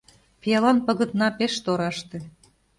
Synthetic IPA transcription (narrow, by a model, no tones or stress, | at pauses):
pjɑlɑnpə̆ɣə̆t̪nɑpeʃt̪oɾɑʃt̪ĕ